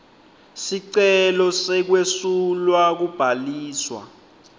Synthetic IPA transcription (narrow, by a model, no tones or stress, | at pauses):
siǀɛlɔsɛk̬wesulwak̬ub̥ʱaliːswa̰